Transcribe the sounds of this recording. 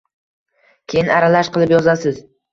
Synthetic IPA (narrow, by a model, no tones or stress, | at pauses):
kʲʰe̞jɪnaɾalaʃqɨlˠɪpjɒzasɪz